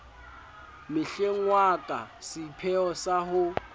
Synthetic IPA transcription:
mɪɬeŋ̩wakʼa̰sɪpʰɛɔsahʊ

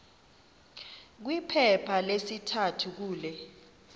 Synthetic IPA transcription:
k̬wipʰɛpʰalesitʰatʰuk̬uːlɛ

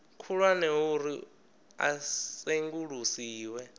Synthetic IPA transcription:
kʰuɺwanɛɦuɾi | a̰seŋɡuɺusiːwɛ

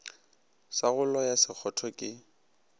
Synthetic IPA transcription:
saɣʊlɔjasɪk͡xʰɔtʰɔkʼɪ

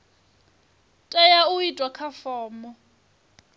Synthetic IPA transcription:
tʼɛjauitʼwakʰafɔːmɔ

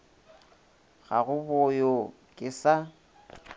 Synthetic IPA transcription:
ɣa̰ɣʊbɔjo | kʼɪsa

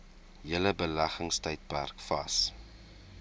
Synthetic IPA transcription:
jələbəlæχəŋstəjt̚pærkfɐs

